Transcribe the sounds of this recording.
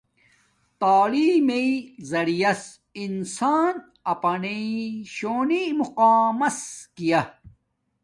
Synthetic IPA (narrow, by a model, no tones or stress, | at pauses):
t̪aːliːmeizɐɽijɐs | insaːn | ɐpɐneiɕoːnimuqaːmɐskijɐ